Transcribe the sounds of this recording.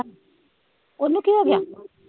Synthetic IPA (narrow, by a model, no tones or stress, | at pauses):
onːũkiɦoɡeja